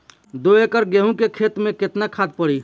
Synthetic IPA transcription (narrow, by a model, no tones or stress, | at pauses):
d̪oekəɾɡeɦũkekʰet̪mẽket̪nakʰad̪̚pəɽi